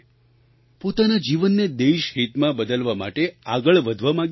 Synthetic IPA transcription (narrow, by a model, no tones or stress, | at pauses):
pot̪anad͡ʒiʋənːed̪eʃɦit̪mãbəd̪əlʋama̰ʈeaɡəɭʋəd̪ʱʋamãɡ